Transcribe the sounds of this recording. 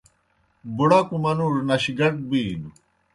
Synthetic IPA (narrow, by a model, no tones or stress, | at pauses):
buɽokumɐnuɾnɐɕiɡɐʈ̚biːnu